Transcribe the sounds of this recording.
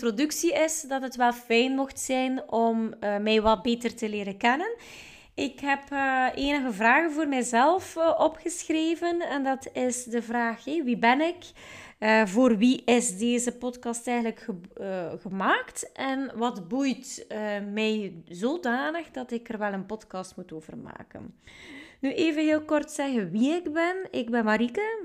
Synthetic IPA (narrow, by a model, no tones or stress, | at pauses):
trodʉksiɪsdɑtɦətʋɛlˠfɛjnmɔxtsɛjnɔmːɛjʋɑt̚beːtərtəleːɾənkɛnən | ɪkɦɛpːeːnəɣəvraːɣənvoːrmɛjzɛlˠfʔɔpxəsxreːvənɛndɑtʰɪsdəvraːxɦɛʋibɛnɪk | əvoːrʋiʔɪzdeːzəpɔtkɑstɛjɣənləkxəɣəmaːktʔɛnʋɑdbujtəmɛjzoːdaːnəxdɑtɪkərʋɛlˠənpɔtkɑstmutoːvə̰rma̰ːkə̰n | nyʔeːvənɦeːlˠkɔrtsɛɣənʋiɪɡbɛnɪɡbɛnmaɾikə